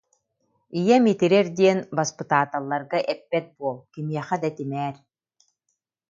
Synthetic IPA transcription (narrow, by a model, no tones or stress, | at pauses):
ijɛmit̪iɾɛɾd̪iɛnbaspɯt̪aːt̪alˠːaɾɡaʔɛpːɛt̪̚buɔlˠkimiɛχɛd̪at̪imɛːɾ